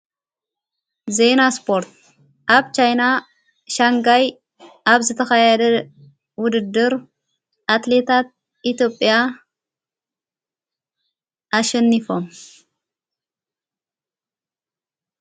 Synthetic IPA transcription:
zenaspʰo̞ɾt̪̚ | ʔaβt͡ʃʰajna | ʃaŋɡaj | ʔaβzɨt̪ʰɐxajad̪ɐ | wʊd̪ɨd̪ːɨɾ | ʔat̪le̞t̪ʰat̪̚ | ʔit̪ʰjo̞pʼːja | ʔaʃɛnːifo̞m

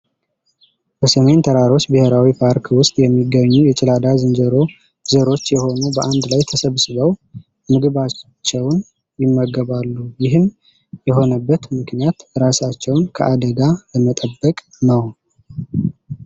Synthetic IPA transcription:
b̥əsəme̞nt̪ʰəɾaɾo̞t͡ʃːbɨheɾawipʰaɾkʰwʊst̪ʼjɛmːiɡəɲːujɛt͡ʃʼɪlad̪azɨnd͡ʒəɾo | zəɾo̞t͡ʃːjɛho̞nubəʔand̪lajt̪ʰəsəβsɨβəw | mɨɡɨβat͡ʃːɛwn | jɪmːəɡəβalːujɪɦɨm | jɛɦo̞nəbːət̪mɨknijat̪ɾasat͡ʃːɛwnkʰəʔad̪əɡaləmət̪ʼəbːəkʼ | nəw

